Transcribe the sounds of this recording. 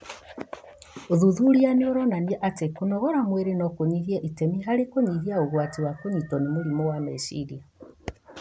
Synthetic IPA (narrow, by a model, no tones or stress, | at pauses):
oðuðuɾianeoɾɔnaniɛʔatekonɔɣɔɾamweɾenɔkoɲiɣiɛʔitɛmiɦaɾekoɲiɣiaoɣwatiwakoɲitɔnemoɾimɔwamesiɾia